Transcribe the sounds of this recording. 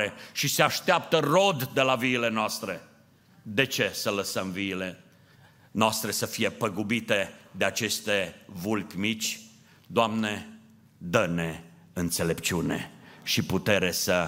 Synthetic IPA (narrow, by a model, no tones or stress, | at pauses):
eʃiseaʃt̪eap̚t̪əro̞d̪ːe̞laviːle̞noast̪ɾe̞ | d̪e̞t͡ʃe̞sələsəmviːle | noast̪ɾe̞səfije̞pəɡubit̪e̞d̪eat͡ʃe̞st̪evulpʲmit͡ʃʲ | d̪oamne̞ | d̪əne̞ | ɨnt̪se̞le̞pt͡ʃiune̞̰ʃiput̪e̞ɾe̞sə